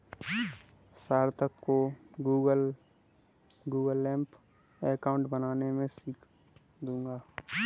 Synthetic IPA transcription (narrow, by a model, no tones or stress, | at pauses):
saːɾt̪əkːoɡuːɡəl | ɡuːɡəlːɛ̃ːmp | eːkaːʊ̃ɳʈbənaːnemẽsiːkʰ | d̪ũːŋɡaː